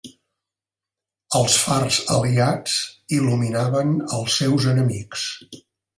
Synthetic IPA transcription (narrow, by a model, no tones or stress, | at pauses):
əlˠsfarz̥əliad͡ziluminaβənəlˠsɛwzənəmiks